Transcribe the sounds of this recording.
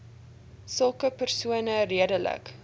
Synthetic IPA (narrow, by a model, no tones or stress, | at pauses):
səlˠkəpərsuənəriədələ̰k